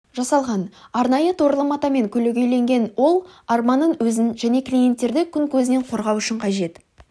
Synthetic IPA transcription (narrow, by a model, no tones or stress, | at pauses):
ʒɑsɑlˠʁɑnɑɾnɑjət̪ʰoɾlˠəmɑt̪ɑme̞ŋkʲʰɵleɡʲejle̞ŋɡʲe̞nwo̞lˠɑɾmɑnːəɴwɵzɪnʒæne̞klʲije̞nt̪ːe̞ɾd̪ɪkʲʰʏŋkʲʰɵzɪne̞ɴqʰo̞ɾʁɑwʏʃɪɴqʰɑʒe̞t̪